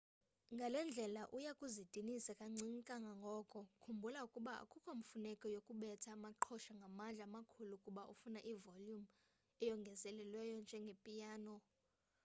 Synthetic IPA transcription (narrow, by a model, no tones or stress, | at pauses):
ŋɡʱalɛnd͡ɮʱɛlaʔujakʼuzid̥ʼʱinisakʼaŋ͡ǀʱiŋkʼaŋɡʱaŋɡʱɔkʼɔkʰumbʱulaukʼuɓaa̰kʼukʼom̩funɛkʼɔjokʼuɓɛtʰaːmaǃʰɔʃaŋɡʱamand͡ɮʱaamakʰulukʼuɓaʔufunaʔivoljum | ɛjɔŋɡʱɛzɛlɛlwɛjɔnd͡ʒʱɛŋɡʱepʼijaːnɔ